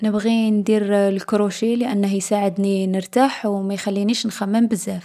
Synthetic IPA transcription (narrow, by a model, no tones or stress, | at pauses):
nəbɣind̪iɾlkɾuʃiləʔænːəhjsaʕəd̪ninəɾt̪aħwmæjxælːiniʃnxæmːəmbəzːæf